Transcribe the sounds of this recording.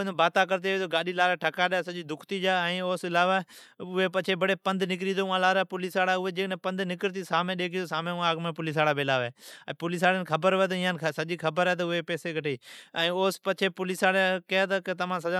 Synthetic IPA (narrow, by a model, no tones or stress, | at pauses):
nːbaːt̪aːkəɾt̪̬eːeːt̪oːɡaːɗiːlaːɾaːʈʰəkaːɗasəʄiːd̪ʊkʰt̪iːd͡ʒaːɛ̃ːoːsɪlaːʋa | ʊɦeːpət͡ʃʰeːbəɽeːpənd̪nɪk̬ɾiːd̪oːʊãlaːɾapʊliːsaːɽaʊɦeːd͡ʒeːknẽːpə̃nd̪nɪkəɾt̪iːsaːmẽːɗeːk̬ʰioːsaːmẽʊãəɡmẽːpʊlɪs̬aːɽaːbelaːʋɛːɛ̃ːpʊlɪs̬aːɽənkʰəbəɾʋeːt̪əɪjãːnsəʄiːkʰəbəɾɦɛːt̪̬əʊɦepɛːseːɡʱəʈeːɛ̃ːoːspət͡ʃʰeːpʊlisaːɽekjaːt̪əkət̪ɐʋãːsɐd͡ʒa